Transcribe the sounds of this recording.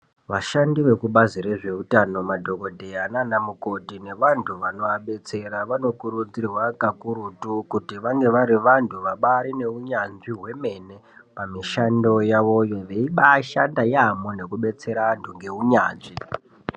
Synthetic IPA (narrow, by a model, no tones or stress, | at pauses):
ʋaʃandiʋe̞kuɓazire̞ʐe̞utano̞madʱo̞ko̞dʱe̞ananamuko̞tine̞ʋantʰuʋano̞aɓe̞t͡se̞ɾaʋano̞kuɾud͡zirwakakuɾutukutiʋaŋɡe̞ʋaɾiʋantʰuʋaɓaɾine̞uɲanʐiɦwe̞me̞ne̞pamiʃando̞jaʋo̞jo̞ʋe̞iɓaʃandajamone̞kuɓe̞t͡se̞ɾaantʰuŋɡe̞uɲaːnʐi